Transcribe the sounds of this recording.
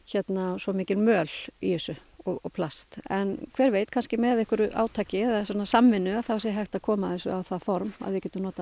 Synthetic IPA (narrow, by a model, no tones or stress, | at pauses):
çɛt̪nasɔmɪːcɪlmœːl̥ḭɛsʏɔɣɔ̰ɣpʰlast̪ɛnkʰvɛːɾveːjt̪kʰanscɪmɛðɪhkʏɾʏʔa̰ːwt̪ʰaːcɪɛasɔnːasamːɪnːʏaðθawsjɛɦaxt̪akʰɔːmaðɛnsʏ̰awθafɔɾma̰ðvɪcɛːt̪ʏnɔːt̪a